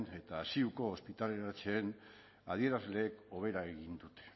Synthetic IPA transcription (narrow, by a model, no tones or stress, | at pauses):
ne̞t̪aːsiuko̞ːspit̪alenaɾt͡ʃe̞ːn | að̞ie̞ɾazle̞ːko̞β̞e̞ɾaeɣind̪ut̪e̥